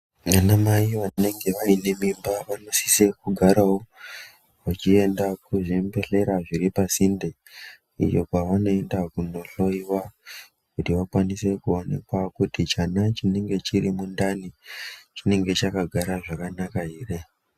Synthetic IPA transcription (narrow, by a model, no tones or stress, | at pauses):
anamaiʋane̞ŋɡe̞ʋaine̞mimbaʋano̞si̥se̞kuɡʱaɾawo | ʋat͡ʃie̞ndakuʐimbe̞ɬe̞ɾaʐiɾipasinde | ḭjo̞kaʋano̞e̞ndakuno̞ɬo̞iwa | kutiʋakwanise̞kuo̞ne̞̰kwakutit͡ʃanat͡ʃine̞ŋɡe̞t͡ʃirimundanit͡ʃine̞ŋɡe̞t͡ʃakaɡʱaɾaʐakanakaɦiːre